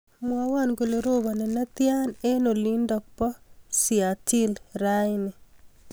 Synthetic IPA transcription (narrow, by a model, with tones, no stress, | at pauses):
mwɔ˦wa˦˨nɡo˨le˨ɾo˦ba˨nɛ˨na˦t̪ja˦ne˦no˨li˦ndɔ˨k̚pɔ˦sia˨tɪ˦lɾajnɪ˨